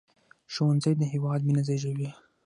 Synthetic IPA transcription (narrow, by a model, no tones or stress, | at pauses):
ʃowanzəjd̪əɦɪwɑd̪̚minazajʒəwi